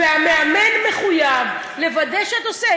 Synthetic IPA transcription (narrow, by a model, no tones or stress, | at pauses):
eameamenme̞χujav | le̞vad̪eʃeat̪ose